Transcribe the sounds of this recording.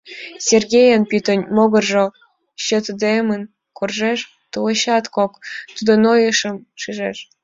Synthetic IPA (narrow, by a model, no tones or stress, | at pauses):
sʲerɡʲejənpyt̪ə̆nʲmoɣɤ̆rʒo | ɕə̆t̪d̪emən | korʒeʃ | t̪uləɕɑt̪kokt̪ud̪onojəʃə̆mʃiʒeʃ